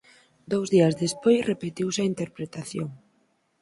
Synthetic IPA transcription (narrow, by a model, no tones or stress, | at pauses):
d̪owzðiɐzðespojsrʔepet̪iwsɐint̪eɾpɾet̪aθjoŋ